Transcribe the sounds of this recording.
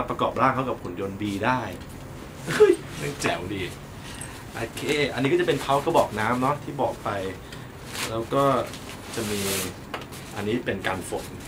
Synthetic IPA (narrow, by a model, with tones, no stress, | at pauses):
pɾa˧kɔː˨˩p̚ɾaː˥˩ŋkʰa˦˥wka˨˩pʰːu˨˩˦njo˧nbiː˧daː˥˩j | ʔɯ˦˥˩j | na˥˩ŋt͡ɕɛː˩˦wliː˨˩t̪̚ | ʔa˧kʰeː˧˩ʔa˧nː˦˥kɔ˥˩t͡ɕa˨˩pe˧np̪ʰa˦˥wkɔː˥˩bɔː˨˩k̚naː˦˥mnɔ˦˥t̪ʰiː˥˩bɔː˨˩k̚pa˧j | lɛː˦˥wkɔː˥˩ | t͡ɕa˨˩miː˧ | ʔa˧nːiː˦˥pe˧nkaː˧nfo˨˩˦n